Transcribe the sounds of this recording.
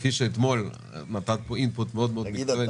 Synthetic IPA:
fiʃeet̪mo̞l | nat̪at̪̚poinput̪meod̪meomie

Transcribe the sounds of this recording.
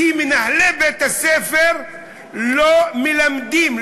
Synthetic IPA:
imenaħlebet̪asefeʁ | lomelamd̪im

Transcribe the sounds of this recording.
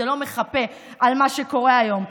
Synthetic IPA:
elo̞meχape̞ | ʔalmaʃeko̞ʁeajo̞m

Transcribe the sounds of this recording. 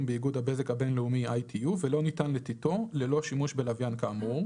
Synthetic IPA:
mbeiɡudhabe̞ze̞khabe̞nleumiajtʰijuvelo̞nitanlet̪ito̞lelo̞ʃimuʃbelavjankaːmu

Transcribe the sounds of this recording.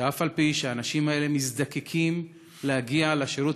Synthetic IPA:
afalpiʃeaːnaʃimae̞lemisd̪akekʰim | lehaɡialeʃeɾut

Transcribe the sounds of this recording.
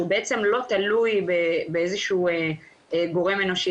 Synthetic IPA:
ubeet͡se̞mlo̞t̪alujbebeezeʃuue | ɡo̞ʁe̞menoʃi

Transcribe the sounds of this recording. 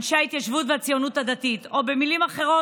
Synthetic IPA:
nʃeait̪jaʃvut̪veat͡sijo̞nut̪had̪at̪it̪o̞bemilimaχe̞ʁo̞

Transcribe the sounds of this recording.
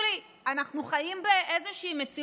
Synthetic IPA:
li | anaχnuχajimbeʔe̞zeʃiːmet͡si

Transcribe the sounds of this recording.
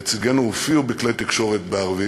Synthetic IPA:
t͡siɡenoufiubiklejt̪ikʃo̞ʁet̪beaʁvi

